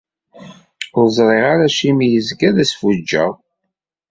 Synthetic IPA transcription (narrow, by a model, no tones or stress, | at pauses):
ʊɾzˤɾˤeʁaɾæʃimijəzɡæðæsfud͡ʒːæ̰